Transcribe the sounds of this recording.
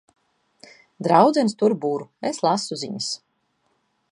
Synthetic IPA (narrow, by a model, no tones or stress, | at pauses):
d̪ɾawd̪zɛnst̪uɾbuɾueslˠasuzḭɲas